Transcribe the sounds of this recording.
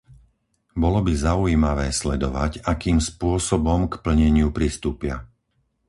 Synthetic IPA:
bɔlɔbizaujiːmaʋɛːslɛd̪ɔʋaɟakiːmspʊɔsɔbɔmkpl̩ɲɛɲɪupɾist̪uːpɪa̰

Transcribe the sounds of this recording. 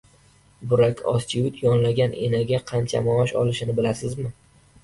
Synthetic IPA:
bʊɾakʲʰɒst͡ʃʰɪjʊt̪ʰjɒnlaɡʲanʔḛnaɡʲaqʰɑnt͡ʃʰa̰mɒɒʃɒlɪʃɪnɪbɪlasɪzmɪ

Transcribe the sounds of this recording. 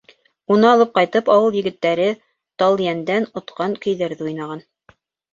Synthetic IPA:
unɤɑlˠɤp̚qɑjt̪ɤpɑwɤlˠjɘ̆ɡɘ̆t̪ːæɾɘ | t̪ɑlˠjænd̪ænŏt̪qɑŋkɵ̆jðæɾðɘujnɑʁɑn

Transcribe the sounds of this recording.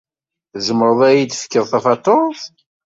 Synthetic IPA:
θzəmɾəðˤæjid̪fə̥kːəðˤθæfɑt̪ˤoθˤ

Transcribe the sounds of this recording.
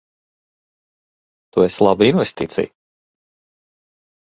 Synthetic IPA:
t̪ueslˠabiinvɛst̪ḭːt̪sḭj

